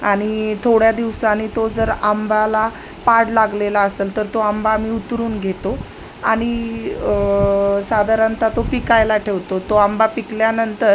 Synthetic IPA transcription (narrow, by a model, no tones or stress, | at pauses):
aɽ̃it̪ʰoɽjad̪iʋsanit̪od͡zəɾambʱala | paɽlaɡlelaəseːlt̪əɾt̪oambaːmiːut̪ɾuːnɡʱet̪o | aɽ̃i | sad̪ʱaɾant̪at̪opikajlaʈʰeʋt̪ot̪oambapikljanənt̪əɾ